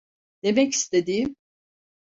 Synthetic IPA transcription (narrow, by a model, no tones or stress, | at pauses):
d̪̥e̞mɛci̥st̪ʰe̞d̪iːm